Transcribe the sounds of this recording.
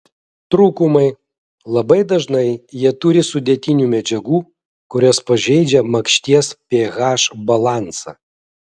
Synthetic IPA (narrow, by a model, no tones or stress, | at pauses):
t̪ɾuːkʊmɐɪ | lˠɐbɐɪd̪ɐʒnɐɪjiɛt̪ʊɾʲɪsʊd̪ʲeːt̪ʲɪnʲuːmʲɛd͡ʒʲɛɡuː | kʊɾʲɔspɐʒʲɛɪd͡ʒʲɛmɐkʃʲt̪ʲiɛspʲeːɣɑːʃbɐlˠɑˑnsɑ̰